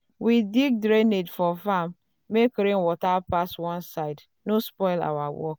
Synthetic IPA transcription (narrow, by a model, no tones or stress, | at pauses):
widiɡ̚dɾenedfɔfamː | ekɾenwɔtapaswãnsaɪd | nospɔɪla̰wawɔ̰k